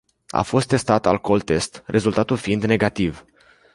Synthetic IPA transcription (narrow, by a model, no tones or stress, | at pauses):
a̰fo̞st̪ːe̞st̪at̪a̰lko̞lt̪e̞st̪rʔe̞zult̪at̪ulfiind̪ne̞ɡat̪iv